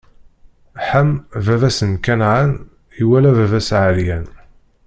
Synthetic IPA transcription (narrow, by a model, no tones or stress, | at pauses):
ħəmvævæsənkænʕan | iwælævævæsʕəɾjæn